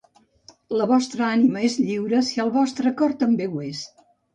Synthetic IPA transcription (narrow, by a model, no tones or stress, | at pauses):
ləβɔst̪ɾəaniməezʎiwɾəsiəlˠβɔst̪ɾəkɔɾt̪əmbewes